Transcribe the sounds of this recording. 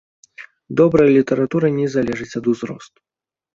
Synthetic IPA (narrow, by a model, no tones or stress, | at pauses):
d̪ɔbɾɐjlʲit̪ɐɾat̪uɾɨnʲɛzalʲɛʐɨt͡sʲɐd̪uzɾɔ̰st̪u̥